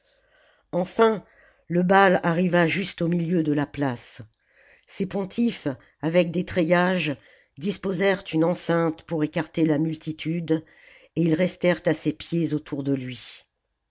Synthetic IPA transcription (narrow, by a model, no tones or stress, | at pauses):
ɑ̃fɛ̃ | ləbalaʁivaʒyst̪omiljød̪əlaplas | sepɔ̃t̪ʰif | avɛk̚d̪et̪χejaʒ | d̪ispozɛʁt̪ynɑ̃sɛ̃t̪puʁekaʁt̪elamylt̪it̪ʰyd̪ | eilʁɛst̪ɛʁt̪asepjezot̪ʰuʁd̪əlɥi